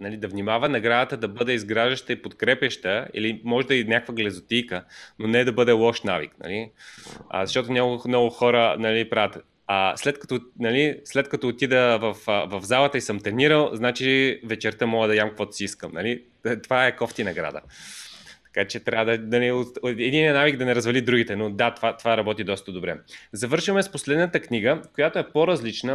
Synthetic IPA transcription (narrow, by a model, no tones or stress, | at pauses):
nɐlid̪ɐvnimavənɐɡɾad̪ət̪əd̪ɐbɤd̪ɛizɡɾaʒəʃt̪əipot̪kɾɛpʲjəʃt̪əḭlimɔʒɛd̪ɐinʲakəkvəɡlʲɛzot̪ijkənonɛd̪ɐbɤd̪ɛlˠɔʃnavḭknɐ̰li | ə̰zɐʃt̪ɔt̪ʊnʲaɡnɔɡʊxɔɾənɐlipɾavət̪ | aslɛt̪kɐ̥t̪ɔnɐlislɛt̪̚kɐt̪ɔːt̪id̪əvɐfəvɐvzalˠət̪əisəmt̪ɛniɾəlˠznat͡ʃivɛt͡ʃɛɾt̪əmɔɡəd̪ɐjamkɐkvɔt̪ʊ̥siiskəmnɐ̰li | t̪ovaɛkɔft̪inɐɡɾa̰d̪ə̰ | t̪ɐ̥kat͡ʃɛt̪ɾʲavəd̪ɐnɐliot̪ɛd̪inʲiənaviɡd̪ɐnɛɾɐzvɐlid̪ɾuɡit̪ɛnod̪at̪vat̪ovaɾɐbɔt̪id̪ɔst̪əd̪obɾɛ̰zɐvɤɾʃvəmɛsposlɛd̪nət̪əkniɡəkojat̪oɛpoɾɐzlit͡ʃnə